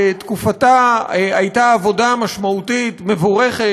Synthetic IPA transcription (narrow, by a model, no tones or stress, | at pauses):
tkufataajtaːvo̞damaʃmautitme̞voʁeχe